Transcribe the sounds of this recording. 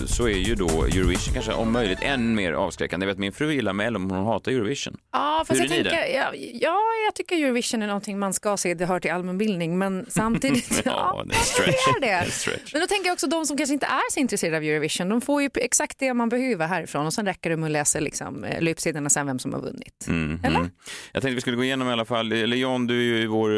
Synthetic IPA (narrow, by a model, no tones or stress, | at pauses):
sɔɛɾjɵd̪ɔ̰jʉɾɔvɪʂənkanʂə̰ʔɔ̰mmœjlɪɡ̚t̪ʰɛnːmeːɾɑ̰ːvskɾɛ̰kːanɛveːt̪mɪnfɾʉːjɪlːaɾmɛɛlːəɾɔmhʊnhɑːt̪aɾjʉːɾvɪʂə̰nɑːfɾasjat̪ʰɛŋd̪əɑjɑːjɑt̪ʰʏkːəɾjʉːɾɔvɪʂənæɳɔnt̪ʰɪŋmanskɑseːd̪ɛɦœːʈɪlalmɛnbɪld̪nɪŋmɛnsamt̪ʰiːd̪ɪt̪ːd̪ɛ̰sɾɛ̰ɖɛst̪ɛ̰mɛnd̪ɔt̪ʰɛŋkəjaɔksɔd̪ɔmsɔmkʰanʂəɪnt̪ə̰ʔæɾsɔɪnt̪ɾɛseːad̪ːvjʉːɾɔvɪʂənd̪ɔmfoːɾjɵɛksakt̪̚d̪ɛmanbɛhøːvəɾɦæːɾɪfɾoːnɔsɛnɾɛkːəɖɔmɛlɛːsəlɪ̰ksɔ̰m̰lyːpseːd̪əɳasɛnvɛmsɔmha̰ɾvɵ̰nːɪ̰t̪ːɛlːəɾjɑ̰ɡk̪ʰɛŋkt̪əvɪskɵlːɡoːɪjeːnɔmɪalːafalːɛlːəjɔnd̪ʉjɵɪvoɾ